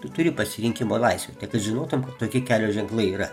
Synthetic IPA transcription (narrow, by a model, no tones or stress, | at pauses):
t̪ʊɾʲɪpɐsʲɪɾʲɪŋʲkʲɪmoːlˠɐɪsʲʋʲḛːt̪ʲɛɪkɐt̪ʒʲɪnoːt̪ʊmkɐt̪toːkʲɪkʲæːlʲoːʒʲɛŋklˠɐɪiːɾɐ